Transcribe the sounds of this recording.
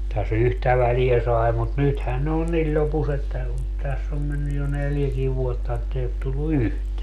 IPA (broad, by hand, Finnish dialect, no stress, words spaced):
tæs yhtæ ʋæliæ sɑi̯ mut nythæn ne on nilʲ lʲopus etːæ on tæsː om menːyj jo neljækiː ʋuotːɑ etːei ot tulːu yhteæ